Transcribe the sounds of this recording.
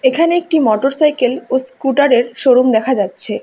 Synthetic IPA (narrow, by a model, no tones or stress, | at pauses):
ekʰaneek̚ʈimɔʈoɾsajkeloskuʈaɾeɾʃoɾomd̪ɛkʰad͡ʑatːɕʰe